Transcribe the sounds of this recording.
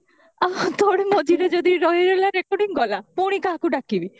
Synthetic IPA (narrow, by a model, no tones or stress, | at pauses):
at̪ɔɽemɔd͡ʒiɾed͡ʒɔd̪iɾɔɦiɾelaɾekɔɖiŋɡɔlapuɽ̃ikakuɖakibi